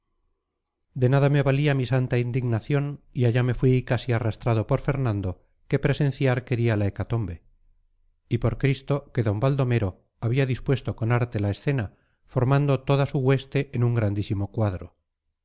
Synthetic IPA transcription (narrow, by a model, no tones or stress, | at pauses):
d̪e̞naðameβaliamisant̪aind̪iɣnaθjo̞niaʎame̞fwikasiarast̪ɾaðo̞po̞ɾfe̞ɾnãnd̪o̞ | ke̞pɾe̞se̞n̟θjaɾke̞ɾialaekat̪o̞mbe | ipo̞ɾkɾist̪o̞ke̞ðo̞mbald̪o̞me̞ɾo̞ | aβiaðispwe̞st̪o̞ko̞naɾt̪elae̞sθe̞na | fo̞ɾmãnd̪o̞t̪oðasuɣwe̞st̪e̞ʔenuŋɡɾand̪isimo̞kwaðɾo̰